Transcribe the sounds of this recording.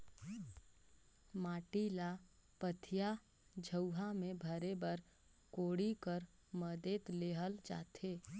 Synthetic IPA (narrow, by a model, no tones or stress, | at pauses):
maːʈila | pət̪ʰija | d͡ʒʱəwɦamẽbʱəɾebəɾ | koːɽikəɾ | məd̪eːt̪leːɦəld͡ʒa̰ːt̪ʰeː